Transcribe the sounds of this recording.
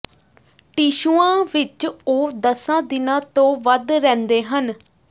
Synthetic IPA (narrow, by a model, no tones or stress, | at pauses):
ʈiːʃuːãːʋɪt͡ʃoːd̪əsãːd̪ɪnãːt̪õːʋəd̪ɾɛ̃ːnd̪eːɦən